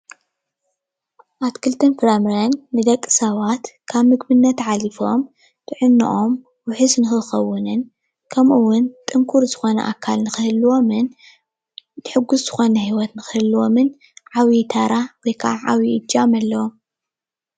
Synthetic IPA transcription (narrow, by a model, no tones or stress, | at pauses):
ʔatkʰɨlt̪ʰɐnfɨɾamɾɐnːɨd̪ɐkʼːɨ̥sɐβat̪kʰaβmɨɡbɨnːɐt̪ʕalifo̞m | t̪ʰɨʕɨnːɨ̰ʔo̞m | wʊħɨznɨxɨxɐwːʊnɨn | kʰɐmʔuwʊnt̪ʼɨŋkʰuɾzɨxo̞nɐ̰ʔa̰kʰːalnɨxɨhɨlːwo̞mɨn | tɨħɨɡːuszɨxo̞nɐhiwɔt̪nɨxɨhɨlːuwomɨn | ʕawit̪ʰaɾawɔjkʰaʕawiʔɨd͡ʒamɐlːɐwom